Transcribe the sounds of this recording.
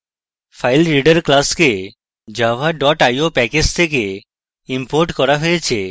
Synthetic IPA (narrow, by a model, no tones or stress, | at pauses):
fʰajlɾiɖaɾklaske | d͡ʑabʱaɖɔʈajopɛked͡ʑt̪ʰeke | impoɾʈkɔɾaɦojet͡ɕʰe